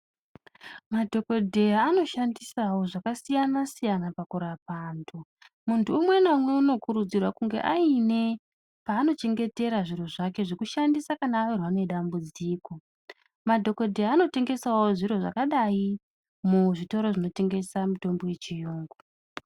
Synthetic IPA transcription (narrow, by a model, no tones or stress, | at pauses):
madʱo̞ko̞dʱe̞jaːno̞ʃandisawo̞ʐakasijanasijanapakuɾapandʰo | muntʰuːmwe̞namweuno̞kuɾud͡zirwakuŋɡe̞̰ʔaine̞ | paːno̞t͡ʃe̞ŋɡe̞te̞ɾaʐiro̞ʐake̞ʐe̞kuʃandisakanaːʋirwane̞ɗambud͡ziːko̞ | madʱo̞ko̞dʱe̞jaːno̞te̞ŋɡe̞sawoʐiɾo̞ʐa̰kaɗai | muʐito̞ɾo̞ʐino̞te̞ŋɡe̞samuto̞mbo̞je̞t͡ʃijoːŋɡo